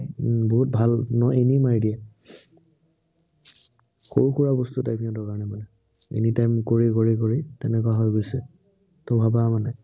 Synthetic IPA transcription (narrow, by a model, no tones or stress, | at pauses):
boɦut̚bʱalnɔenimaɹidiɛ | xoɹuxuɹabɔstutajpʰinɔtɔkaɹnɛmanɛ | ḛnitajmkoɹikoɹikoɹitɛnɛkwaɦɔjɡojsɛ | tɔbʱabamanɛ